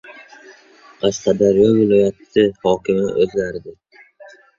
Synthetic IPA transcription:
qʰɑʃqʰɑd̪aɾjɒlvɪlˠɒjat̪ʰɪ̥sɪhɒːkʲʰɪma̰ʔɵzlaɾɪd̪ɪ

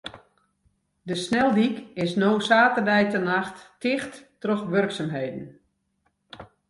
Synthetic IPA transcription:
dəsnɛlˠdikɪsnowsaːtərdɛjtənaxtːɪxtː | rɔxʋørksaːmɦejdn̩

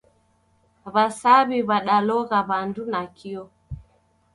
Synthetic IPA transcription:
βasaβiβaɗalɔɣaβandunakʰiɔ

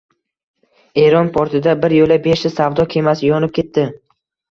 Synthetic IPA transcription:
e̞ɾɒnpʰoɾt̪ʰɪd̪abɪɾjolabeʃɪsavd̪ɒkʲʰe̞masɪjɒnɪp̚kʲʰe̞t̪ːɪ

